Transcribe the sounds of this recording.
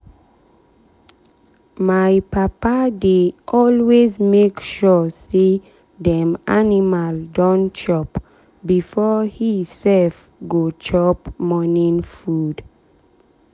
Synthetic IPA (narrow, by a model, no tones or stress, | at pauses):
majpapadeʔɔlwezmekʃɔse | dɛ̃manimaldɔ̃nt͡ʃɔp | bifɔhisɛlf | ɡot͡ʃɔpmɔnĩnfud̥